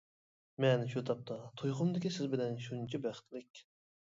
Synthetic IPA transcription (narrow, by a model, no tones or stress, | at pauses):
mɛnʃut̪ʰɑp̚t̪ʰɑt̪ʰujqʊmd̪ɪkʲisɪzbɪlɛnʃunt͡ʃʰibæχt̪lɪkʲ